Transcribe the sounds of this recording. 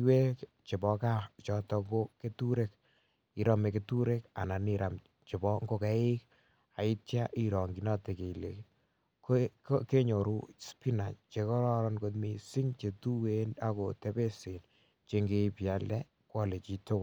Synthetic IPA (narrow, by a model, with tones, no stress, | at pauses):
we˦k | t͡ʃe˨bɔ˨ka˦t͡ʃɔ˦tɔ˧ŋɡoke˦tu˦ɾe˦k | i˨ɾɔ˦me˨ketu˦ɾe˦ka̰˨na˨niɾʔa˨m | t͡ʃe˨bɔŋɡo˦kɛ˨˦ɪ˦k̚ | a˨ɪ˦tja˦ʔiɾɔ˨ŋɡi˨˦nɔ˦te˨ke˨i˨le˨k | kke˦ɲo˨ɾu˦spi˦na˨t͡ʃe˧kɔ˦ɾɔ˦ɾɔ˦nko˧tmi˦si˦ŋt͡ʃe˨tu˦wena˦ko˨tɛ˦pe˦se˨n | t͡ʃe˦ŋɡe˦pja˨lɛ˦ | kwɔ˦le˨t͡ʃi˨to˦kʊ˨l